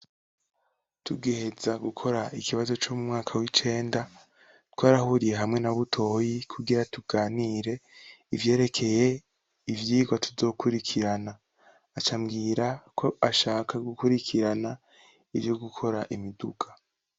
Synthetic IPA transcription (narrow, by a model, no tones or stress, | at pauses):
tuɡehezaɡukʰo̞ɾaikiβazo̞t͡ʃomumŋaːkʰawit͡ʃe̞ːnda | twaːɾahuɾije̞ɦamŋe̞naβutʰo̞ːjikʰuɡiɾatuɡ̥aːniːɾe̞ivje̞ːɾe̞kʰe̞je̞ | ivjiːɡwatuzo̞ːkuɾikʰiɾanaː | t͡ʃamɡiːɾakʰo̞aʃaːkʰaɡukuɾikʰiɾana | ivjo̞ɡukʰo̞ɾaʔimiduɡḁ